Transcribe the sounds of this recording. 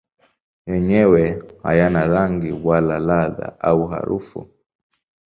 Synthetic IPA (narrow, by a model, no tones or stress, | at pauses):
jɛɲɛwɛha̰janaɾaŋɡiwalalaða̰ʔauɦa̰ɾufṵ